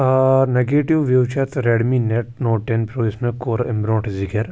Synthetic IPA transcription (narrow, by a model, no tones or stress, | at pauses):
neɡeːʈiʋʋjɐwt͡ʃʰɐt̪ɾeːɽmineʈ̚noːʈenpɾoːsmẽkoːɾɪ̃mbɾõːʈʰzɪkəɾ